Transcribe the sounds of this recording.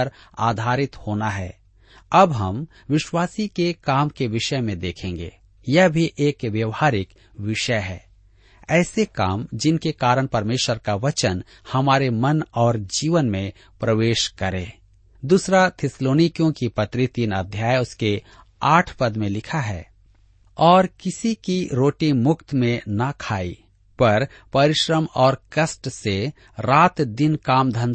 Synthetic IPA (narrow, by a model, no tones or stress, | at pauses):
əɾa̰ːd̪ʱaːɾɪt̪hoːnaɦɛː | ɐbɦɐm | ʋɪʃwaːsikekaːmkeʋɪʃəmẽd̪eːkʰẽːŋɡḛː | jɐɦbʱiʔeːkʋjɐʋhaːɾɪk | ʋɪʃəɦɛː | ɛːsekaːmd͡ʒɪnkekaːɾəɳ̃pɐɾmeːʃwəɾkaʋɐt͡ʃən | hɐmaːɾemɐnɔːɾd͡ʒiːʋənmẽ | pɾɐʋeːʃkɐɾḛ̃ː | d̪uːsɾat̪ʰɪsloːnikijõkipɐt̪ɾɪt̪inə̰d̪ʱjaːjʊske | aːʈʰpɐd̪mẽlɪkʰaɦɛ̰ː | ɔːɾkɪsikiɾoːʈimʊkt̪mẽnɐkʰaːḭ | pɐɾ | pɐɾɪʃɾəmɔːɾkɐsʈse | ɾaːt̪d̪ɪnkaːmd̪ʱə̃nd̪